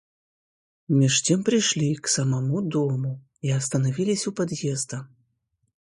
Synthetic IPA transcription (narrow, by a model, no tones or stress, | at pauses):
mʲiʂt̪ʲɛmpɾɨjʂlʲiksɐmamud̪ɔmu | iɐst̪ɐnavʲilʲisʲupad̪jɛzd̪ɐ